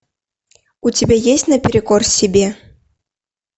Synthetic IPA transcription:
ut͡sʲibʲejesʲtʲnɐpʲɪɾɨkɔrsʲɪbʲe

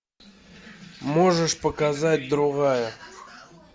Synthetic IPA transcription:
mo̞ʐɨʂpəkazat̚ʲd̪ɾʊɣajə

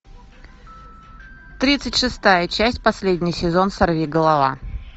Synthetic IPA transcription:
t̪ɾʲit̪sɨtʲʂɨst̪ajət͡ɕæsʲtʲpɐsʲlʲedʲnʲɪjsʲɪzo̞nsɐrvʲiɡəlˠɐva

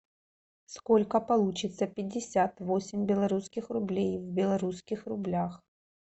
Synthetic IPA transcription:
skolʲkəpɐlˠut͡ɕɪt̪səpʲɪdʲːɪsʲat̪vosʲɪmʲbʲɪlˠɐɾuskʲɪxrʊblʲejvbʲɪlˠɐɾuskʲɪxrʊblʲax

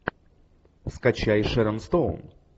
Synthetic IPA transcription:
fskɐt͡ɕajʂɛɾəmst̪own

